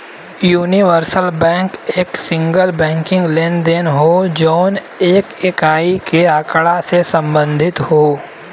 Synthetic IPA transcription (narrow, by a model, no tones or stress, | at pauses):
juːniʋəɾsəlbɛ̃ːŋkeːksɪ̃ŋɡəlbɛ̃ːŋkɪ̃ŋɡleːnd̪enɦod͡ʒɔːn | eːkekaːikeaːkɭasesə̃mbə̃nd̪ʱɪt̪hoː